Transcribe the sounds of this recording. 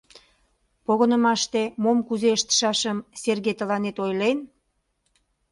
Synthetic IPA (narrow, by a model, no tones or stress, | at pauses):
poɣənəmɑʃt̪emomkuzeəʃt̪ə̥ʃɑʃəmserɣet̪əlɑnet̪ojlen